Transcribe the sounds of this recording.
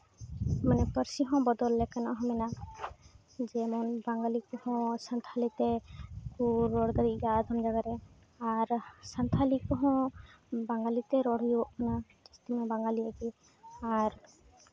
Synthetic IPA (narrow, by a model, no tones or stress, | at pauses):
manɛpəɾsiɦɔ̃bɔd̪ɔlːɛkanaʔɦɔ̃mɛna | d͡ʒɛmɔnbaŋɡalikɔhɔ̃sant̪ʰalit̪ɛkuɾɔɽd̪ad̪iɡad̪ʱɔmd͡ʒaɡaɾɛ | aɾsant̪ʰalikɔɦɔ̃baŋɡalit̪ɛɾɔɽ̤iɔʔkɔnad͡ʒist̪imɛ̃baŋɡaliaɡi | aɾ